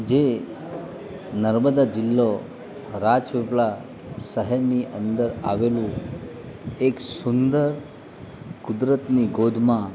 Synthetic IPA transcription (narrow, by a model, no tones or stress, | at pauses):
d͡ʒe | nəɾməd̪ad͡ʒɪlːo | ɾad͡ʒʋepla | səɦəɾniʔənd̪əɾa̰ʋelũ | eksʊnd̪əɾ | kud̪ɾət̪niɡod̪ʱmã